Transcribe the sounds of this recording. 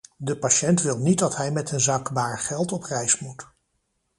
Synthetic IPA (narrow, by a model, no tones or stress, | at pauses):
dəpaʃɛntʋɪlˠnit̚dɑtɦɛjmɛtənzaːkbaːɹχɛlˠtɔprɛjsmut